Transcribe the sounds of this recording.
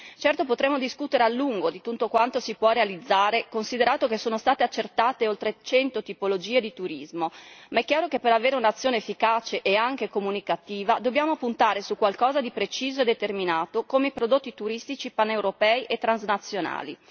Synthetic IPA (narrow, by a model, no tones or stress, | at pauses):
t͡ʃɛrt̪opot̪ɾemːod̪iskut̪eɾealːuŋɡod̪it̪unːokwant̪osipwɔrealid̪zːaːɾekonsid̪eɾaːt̪okesoːnost̪aːt̪eat͡ʃːert̪aːt̪eolt̪ɾet͡ʃɛnt̪ot̪ipolod͡ʒiːed̪it̪uɾizmomaɛkːjaːɾokepːeɾaveːɾeunat̪sːjoːnefːikaːt͡ʃeʔeaŋk̟ekomunikat̪iːvad̪obːjaːmopunt̪aːɾesukwalkɔːzad̪ipɾet͡ʃiːzoed̪et̪erminaːt̪okomeipɾod̪ot̪ːit̪uɾist̪it͡ʃipanːewɾopɛːiʔet̪ːɾanznat̪sːjona̰ːlḭ